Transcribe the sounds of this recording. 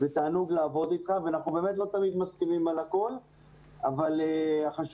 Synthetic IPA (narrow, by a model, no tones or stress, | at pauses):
vet̪aːnuɡlaːvo̞d̪it̪χaveanaχnube̞ːmet̪lo̞t̪amid̪maskinimalako̞l | avaleaχaʃ